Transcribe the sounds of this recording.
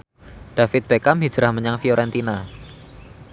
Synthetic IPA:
ɖ̥afɪt̪̚b̥ekamɦid̥d͡ʒ̥ɾahməɲaŋfioɾɛnt̪ina

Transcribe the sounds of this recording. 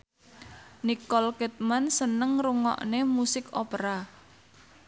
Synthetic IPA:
nikɔlkɛt̪̚mansənəŋruŋɔ̰ʔnemusɪkopɾa

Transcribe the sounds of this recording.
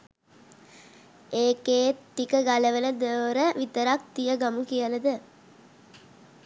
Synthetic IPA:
eːkeːt̪ːikəɡaləʋələd̪əːɾəʋit̪əɾak̚t̪ijəɡamukijələd̪ə

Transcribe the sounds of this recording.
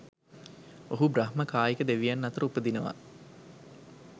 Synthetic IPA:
oɦubraɦməkaːjikəd̪eʋijanːɐt̪əɾəupəd̪inəʋa̰

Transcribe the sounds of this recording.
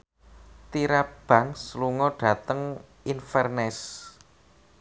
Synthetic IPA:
t̪iɾab̥ä̤ŋsluŋɔɖ̥ä̤t̪əŋ | infɛrnɛs

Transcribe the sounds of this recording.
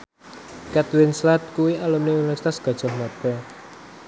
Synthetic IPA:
kɛt̪wɪnslat̪̚kuwialumneunifɛrsi̥t̪asɡ̥a̤̥ʒ̥ɔ̤hmad̪̥ɛ

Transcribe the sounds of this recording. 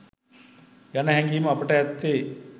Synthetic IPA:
janɐɦɛŋɡimɐːpəʈəɛt̪ːe

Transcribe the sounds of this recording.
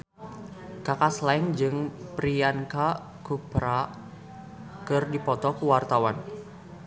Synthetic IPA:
kakaslaɛŋd͡ʒɨŋpɾianka | kupɾa | kɨrdipɔt̪ɔkuwart̪awan

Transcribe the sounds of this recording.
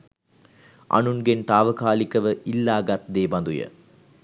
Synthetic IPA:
ʔɐ̰nunɡent̪aːʋɐkaːlikːɐʋəʔilːaːɡɐt̪̚d̪eːbɐnd̪ujɐ̰

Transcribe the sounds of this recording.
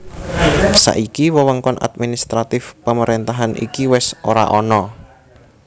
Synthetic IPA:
sa̰ʔikiwəwəŋkɔnʔa̰d̪̚minist̪ɾat̪ɪfpəməɾent̪aɦanḭkiwɛsoɾa̰ʔɔnɔ

